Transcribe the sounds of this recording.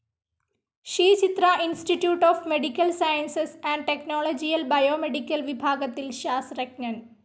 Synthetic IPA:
ʃiːt͡ʃit̪ɾaːʔinsʈiʈjuːʈɔːfmeɖikːɐlsajɐnsesɛ̃ːɳɖ̚ʈeknoːlod͡ʒijɐlbɐjoːmeɖikːɐlʋibʱaːɡɐt̪ːilʃaːsɾɐkɲɐɳ

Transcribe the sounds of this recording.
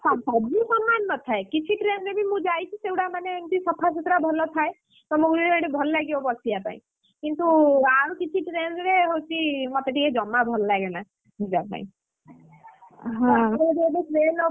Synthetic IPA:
sapabisɔmːanːɔt̪ʰaekit͡ʃʰiʈɾenɾebʱimũd͡ʒajt͡ʃʰisewʈamanent̪isɔpʰasut̪ɾabʱɔlɔt̪ʰae | t̪ɔmuɡɾiɾeɽebʱɔlɔlaɡibɔbɔsijapa̰ḭ̃ | kint̪uaɾukit͡ʃʰiʈɾenɾeɦowt͡ʃʰimot̪eʈied͡ʒɔmːabʱɔlɔlaɡena | ɦud͡ʒapa̰ḭ̃ | ɦãeɾebeʈɾen

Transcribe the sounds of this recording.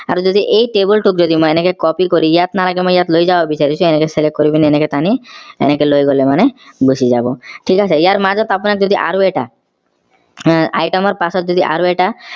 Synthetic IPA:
a̰ɾd͡ʒod̪iʔejʈebulʈukd͡ʑod̪imojenekekɔpikoɾijat̪nalaɡemojjat̪lojd͡ʒaabisaɾit͡ɕʰũɛnekeselekkːoɾibineneket̪aniḛnekelojɡolemanebusʰizabɔʈʰikasʰeijaɾmad͡ʒɔt̪apunakd͡ʒod̪iʔa̰ɾueʈa | a̰jʈɔmɔɾpasɔt̪̚d͡ʒod̪iʔa̰ɾueʈa

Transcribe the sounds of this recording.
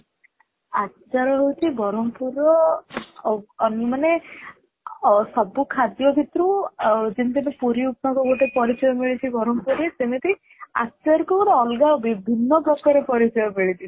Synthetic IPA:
att͡ʃaɾɔɦowtʰibʱɔɾɔmpuɾɔ | nimane | sɔbukʰad̪jɔbʱit̪ɾũd͡ʒint̪̬imepuɾiupmakɔɡoʈepɔɾit͡ʃɔjɔmiɭit̪ʰibɔɾɔmpuɾɾet̪emet̪i | a̰tːt͡ʃaɾkɔɡɔʈeɔlɡabibʱinːɔɡɔkʰɔɾepɔɾit͡ʃɔjɔmiɭit̪ʰi

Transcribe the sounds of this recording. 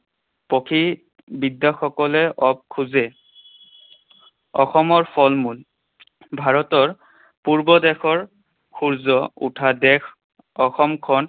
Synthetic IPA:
pɔkʰi | bidːɔxɔkɔlɛʔɔp̚kʰuzɛ | ɔxɔmɔɹpʰɔlmul | bʱaɹɔtɔɹ | puɹbɔdɛkʰɔɹ | kʰuɹzɔṵtʰadɛkʰ | ɔxɔmkʰɔn

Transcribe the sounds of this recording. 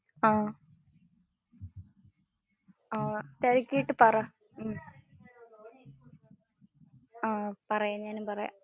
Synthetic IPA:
aː | aːt̪ɐɾikʲːiiʈːɨpɐra | m | aːpɐrɐjaɲaːnupɐrɐja̰

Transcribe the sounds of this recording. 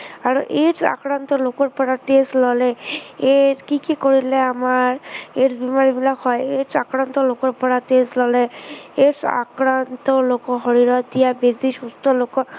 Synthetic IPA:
aɹuʔeɾsa̰kɾant̪ɔlokɔɹpɔɹateslɔlɛeɾkikikoɹilɛamaɹeɾbimaɹibilakɦɔjeɾsakɾant̪ɔlokɔɹpɔɹateslɔlɛesa̰kɾant̪ɔlokɔɦɔɹiɾɔt̪d̪ijabeziʃust̪ɔlokɔ

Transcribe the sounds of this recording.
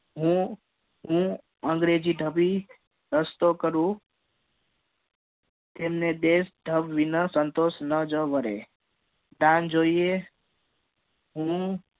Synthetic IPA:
ɦũ | ɦũ | ə̃ŋɡɾed͡ʒiɖʱəbi | ɾəst̪okəɾũ | t̪emned̪esɖʱəbʋinəsənt̪osnəd͡ʒəʋəɾḛ | d̪and͡ʒoie | ɦũ

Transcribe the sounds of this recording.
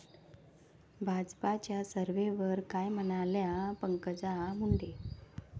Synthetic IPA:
bʱad͡zpat͡ɕjasəɾʋeʋəɾkajm̤ənaljapəŋkəd͡zamuɳɖe

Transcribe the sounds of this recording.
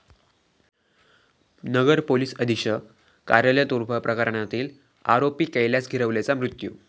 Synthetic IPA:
nəɡəɾpoliːsəd̪ʱiɕə | kaɾjəljət̪uɾpʰəpɾəkəɾɳat̪iːl | a̰ɾopiːkejljasɡʱiɾəʋlat͡samɾut̪jṵː

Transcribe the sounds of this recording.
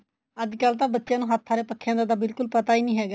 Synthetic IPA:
əd͡ʒ̪kaːlt̪ãːbət̪ːʃɪjãːnũːɦət̪ʰːaːɾeːpəkʰːjãːnd̪aːd̪aːbɪlkʊlpət̪aːiːnĩːɦɛːɡaː

